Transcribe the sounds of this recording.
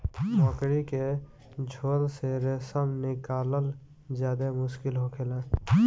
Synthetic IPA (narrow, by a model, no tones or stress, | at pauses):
mɔ̃ːkɾike | d͡ʒʱoːlseɾesəmnɪkaːləl | zjaːd̪emʊʃkɪlɦokʰelẽː